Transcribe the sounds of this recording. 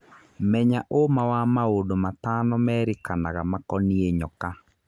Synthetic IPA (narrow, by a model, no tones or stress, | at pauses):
mɛɲaʔomawamaodomatanɔmɛːɾekanaɣamakɔnieɲɔka